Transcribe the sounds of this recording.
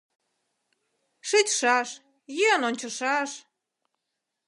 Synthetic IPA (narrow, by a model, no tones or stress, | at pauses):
ʃet͡ɕʃɑʃ | jønonʲt͡ɕəʃɑʃ